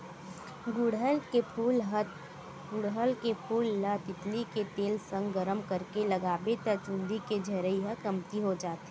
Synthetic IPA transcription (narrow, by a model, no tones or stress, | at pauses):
ɡʊɽɦəlkepʰuːlɦət̪ | ɡʊɽɦəlkepʰuːlːət̪ɪt̪liket̪eːlsə̃ŋɡɡəɾəmkəɾkelɐɡaːbet̪ət͡ʃʊ̃nd̪iked͡ʒʱɐɾəiɦəkəmt̪iɦod͡ʒaːt̪ː